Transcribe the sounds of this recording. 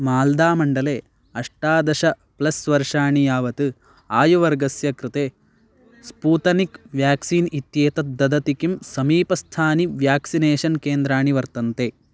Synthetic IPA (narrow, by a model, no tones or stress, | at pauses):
maːld̪aːmɐɳɖɐleː | ɐʂʈaːd̪ɐʃɐ | plɐsʋɐɾʂaːɳijaːʋɐt̪ɨ | aːjuʋɐɾɡɐsjɐkɾɨt̪eː | spuːt̪ɐnikʋjaːksiːnit̪jeːt̪ɐd̪ɐd̪ɐt̪ikimsɐmiːpɐst̪ʰaːniʋjaːksineːʃɐnkeːnd̪ɾaːɳiʋɐɾt̪ɐnt̪eː